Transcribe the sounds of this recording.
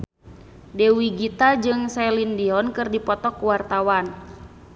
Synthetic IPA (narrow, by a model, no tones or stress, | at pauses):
dɛwiɡit̪ad͡ʒɨŋsɛlindiɔnkɨrdipɔt̪ɔkuwart̪awan